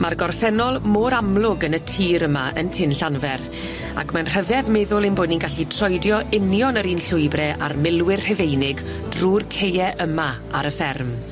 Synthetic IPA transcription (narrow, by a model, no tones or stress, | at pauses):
marɡɔrθɛnɔlˠmoːɾamlˠʊɡənətʰiːɾəmaʔəntʰɪnɬanvɛr | a̰kʰmanr̥əvɛðmɛðʊlˠinbʊːdninɡaɬitʰrɔjdjɔʔɪnjɔnəɾiːnɬʊɨbrɛʔa̰rmɪlˠwɪrhɛvejnɪɡ | druːrkʰejɛʔəma | aɾəfɛrm